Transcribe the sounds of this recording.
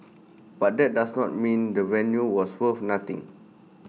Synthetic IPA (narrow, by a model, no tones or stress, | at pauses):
bat̚dɛt̚dasnɔt̚mĩndəvɛ̃njuwɔswəfnat̪ḭ̃ŋ